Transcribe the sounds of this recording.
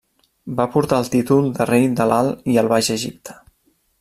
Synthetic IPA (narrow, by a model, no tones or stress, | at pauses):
bapuɾt̪aəlˠt̪it̪ulˠd̪ərejd̪əlalˠiəlˠβaʒəʒip̚t̪ʰə̥